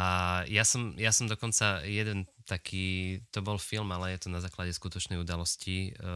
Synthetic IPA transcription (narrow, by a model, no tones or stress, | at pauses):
ajasɔmjasɔmd̪ɔkɔnt͡sajɛd̪ɛnt̪akʰiːt̪ɔbɔlfilmalɛjɛt̪ɔnazaːklaɟɛskut̪ɔt͡ʃnɛjud̪alɔsci